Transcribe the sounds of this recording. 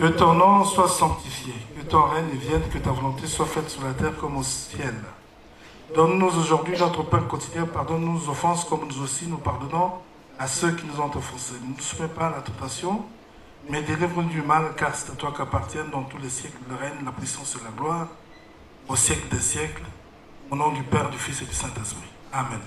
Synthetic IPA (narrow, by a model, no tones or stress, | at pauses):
ət̪ɔ̃nɔ̃swasɑ̃k̚t̪ifjekət̪ɔ̃ʁɛnevjɛnkət̪avɔlɔ̃t̪eswafɛt̪syʁlat̪ɛːʁkɔmossjɛl | d̪̥ɔnːuzoʒuʁd̪ɥinɔt̪χəpœpləkɔ̃t̪iljɛ̃paʁd̪ɔnːuzɔfɑ̃skɔmnuzosinupaʁd̪ɔnɔ̃ | asøkʲinuzɔ̃t̪ɑ̃fɑ̃senunəsu̥mɛpaːlat̪ɑ̃t̪asjɔ̃ | mɛd̪elivʁənud̪ymalkaʁsɛ̥t̪at̪wakiapaʁt̪jɛnd̪ɑ̃t̪ulɛsjɛklləʁɛnlapχisɑ̃slaɡlwaːʁ | osjɛkləd̪esjɛkl | õnɔ̃d̪ypɛʁd̪yfised̪ysɛ̃t̪ɛspχi | amɛ̃n